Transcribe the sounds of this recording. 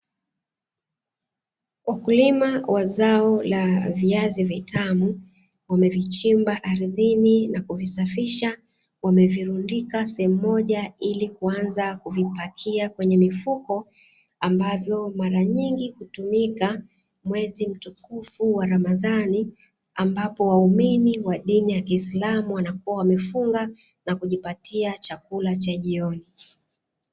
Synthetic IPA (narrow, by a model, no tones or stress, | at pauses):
wakulimawʔazaɔlaviazivitʰamu | wamɛvit͡ʃimbaʔaɾiðininakuvisafiʃa | wamɛviɾundikasɛhɛm̩ːɔʄailikuanzakuvipakʰiakwɛɲɛmifukɔ | ambavjɔmaɾaɲiŋɡihutumika | mwɛzim̩tukufuwaɾamaðani | ambapɔwauminiwaɗinijakiːslamuwanakuwawamɛfuŋɡanakuʄipatʰiat͡ʃakulat͡ʃaʄiɔni